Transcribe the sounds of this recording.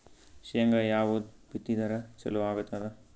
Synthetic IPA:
ʃijɐŋɡɐjaːʋud̪bit̪ːid̪ɐɾɐt͡ʃɐ̰luʋaːɡut̪ːɐd̪ɐ

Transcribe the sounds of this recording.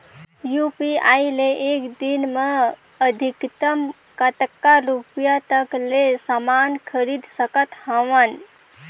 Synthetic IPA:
jupiaileʔekd̪inme | əd̪ʱikt̪əm | kət̪əkːaɾupjat̪əklesamankʰəɾid̪ʱsəkət̪həʋən

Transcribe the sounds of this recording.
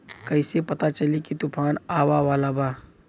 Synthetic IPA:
kɐɪsepɐt̪at͡ʃɐlikit̪ʊpʰaːnaːwaʋaːlabaː

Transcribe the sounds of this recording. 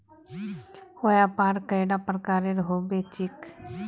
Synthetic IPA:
hojapaːɾkəjɽapɾəkaːɾeɾɦobet͡ʃɪk

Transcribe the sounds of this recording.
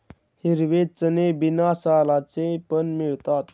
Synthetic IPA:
hiɾʋet͡sənebinasalat͡sepənmiɭt̪at̪

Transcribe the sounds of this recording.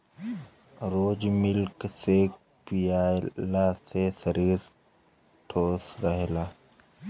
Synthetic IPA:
ɾoːd͡ʒmɪlksek | pijaːlasesəɾiːɾ | ʈʰoːsɾəɦelaː

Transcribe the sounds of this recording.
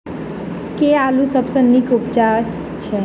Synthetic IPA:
kealusəbsə̃nikupt͡ʃa | t͡ʃʰe

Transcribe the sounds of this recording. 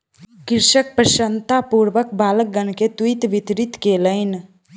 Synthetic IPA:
kɪɾʃək̚pɾəʃənt̪apuːɾʋək̚baːlək̚ɡənket̪wit̪ʋɪt̪ɾɪt̪keːləɪn

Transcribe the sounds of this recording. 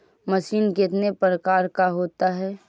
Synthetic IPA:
məsiːnkɪt̪nepɾəkaːɾkaɦoːt̪aɦɛː

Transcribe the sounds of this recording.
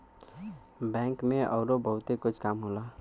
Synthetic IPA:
bɛ̃ːŋkmẽʔɔ̰ːɾobəɦʊt̪ekʊt͡ʃʰkaːmɦola

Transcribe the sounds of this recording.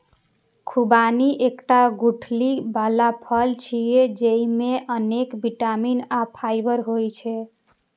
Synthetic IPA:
kʰubaniʔekʈaɡuʈʰlibʱalapʰəlt͡ʃʰijed͡ʒeimeʔənekbiʈaminapʰajbəɾɦojt͡ʃʰɛ

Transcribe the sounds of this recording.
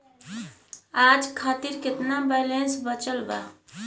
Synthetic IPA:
ad͡ʒkʰat̪iɾket̪nabɛlensbət͡ʃəlba̰

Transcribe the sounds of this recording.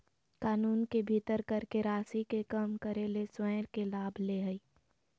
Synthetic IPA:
kaːnuːnkebʱit̪əɾkəɾkeɾaːsikekəmkəɾeleswɛːɾkelaːbʱleɦəi

